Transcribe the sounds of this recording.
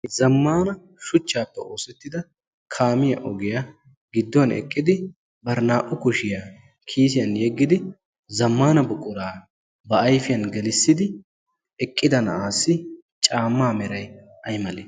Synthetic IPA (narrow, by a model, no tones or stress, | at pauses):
zɐmːaːnɐ | ʃʊt͡ʃːaːpːɛʔo̞ːsɛt̪ːɪd̪ɐ | kʰaːmɪjɐʔɔɡɪja | ɡɪd̪ːɔnɛ̰kʼːɪd̪ɪ | bɐɾnaːʔʊkʊʃɪjaː | kʰiːs̬ɪjɐnjɛɡːɪd̪ɪ | zɐmːaːnɐbʊkʼːʊlaː | bɐːjfɪjɐnɡɛlɪsːɪd̪ɪ | ɛkʼːɪd̪ɐnɐ̰ʔaːsːɪ | t͡ʃʼaːmːaːmɛɾɐj | ɐjmɐle